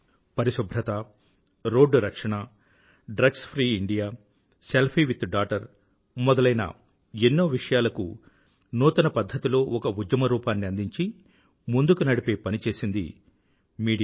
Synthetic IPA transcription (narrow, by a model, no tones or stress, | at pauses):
pɐɾiʃɐbʱɾɐt̪a | ɾoːɖɾɐkʂɐɳɐ | ɖɾɐɡspʰɾiːiɳɖijaː | selpʰiːʋit̪ɖaːʈɐɾ | mɔd̪ɐlɐjnɐ̰ | enːoːʋiʂɐjaːlɐkṵ | nuːt̪ɐnɐpɐd̪ʱːɐt̪ilo̞ːɔkɐud͡ʒ̪jɐmɐɾuːpaːnːiɐnd̪iɲt͡ʃi | mund̪ukunɐɽipe̞ːpɐnit͡ʃe̞ːsind̪ḭ | miːɽ